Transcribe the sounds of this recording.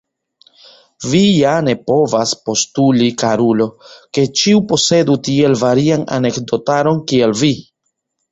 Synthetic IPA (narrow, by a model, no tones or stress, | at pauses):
vijane̞po̞vaspo̞stulikaɾulo̞ke̞t͡ʃiupo̞se̞dutie̞lvaɾiana̰ne̞kdo̞taɾo̞nkielvi